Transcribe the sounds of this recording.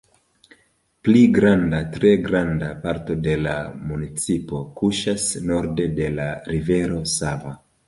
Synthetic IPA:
pliɡɾandatɾe̞ɡɾandapaɾto̞de̞la̰munit͡sipo̞kuʃasno̞ɾde̞de̞laɾive̞ɾo̞sava

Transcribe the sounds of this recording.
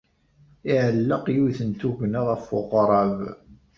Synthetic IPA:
ɪʕəlːəqjuθənt̪uʝnəðæfːʊʁɑɾˤɑv

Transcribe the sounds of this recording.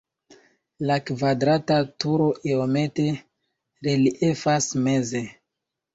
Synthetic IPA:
lakvadɾatatuɾo̞ʔeomete | ɾeliʔefasmeze

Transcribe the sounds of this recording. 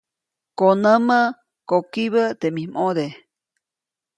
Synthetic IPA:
konəmə | kokiβət̪emimod̪e

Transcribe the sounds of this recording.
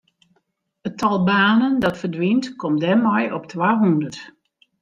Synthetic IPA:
ətʰɔlˠbaːnəndɔtfərdʋintkʰɔmdɛmɔjɔp̚tʰwaːɦundərt

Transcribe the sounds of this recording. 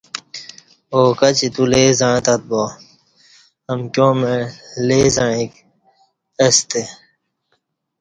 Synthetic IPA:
okɐt͡ɕit̪uleːzãːt̪ɐt̪̚boː | ɐmkjõːmelezaek | ɐst̪e

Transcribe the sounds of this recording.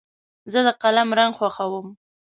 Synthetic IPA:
zəd̪əqalamɾaŋɡxwaxawəm

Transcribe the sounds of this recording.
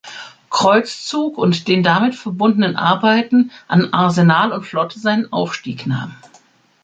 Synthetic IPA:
kʁ̥ɔʏt͡st͡suːkʊntd̥eːndamɪtfɛɐbʊndənənʔa̰ɐbaɪtn̩ʔanʔaɐzenaːlʊntflɔtʰəzaɪnənʔa̰ʊfʃtiːkna̰ːmə

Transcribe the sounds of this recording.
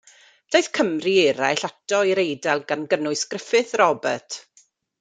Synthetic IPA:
d̥ajθkʰəmriɛɾajɬatɔiɾejdɛlˠɡanɡənʊɨskrəfɨθrɔbɛ̰tʰ

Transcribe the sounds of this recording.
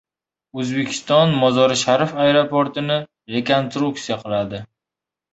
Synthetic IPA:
ɵzbe̞kʲʰɪ̥st̪ɒnmɒzɒɾɪʃaɾfajɾopoɾt̪ɪnɪ | ɾe̞konst̪ɾuk̚t̪sijaqʰɨlˠad̪ɪ

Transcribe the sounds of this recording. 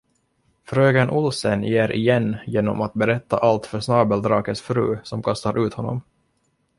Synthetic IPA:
fɾøːɡanʔʊlsənjeːɾʔɪ̰jɛnːjeːnːɔmat̪̚bɛɾɛt̪ːa̰ʔalt̪fœʂnɑːbəld̪ɾɑːkət̪sfɾʉ̟ːsɔmkʰast̪aɾʔʉ̟ːt̪hɔnːɔ̰m

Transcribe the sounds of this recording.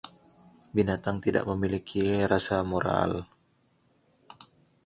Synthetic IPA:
binat̪aŋt̪ida̰ʔ̚məmilikʰiɾasamoɾa̰l

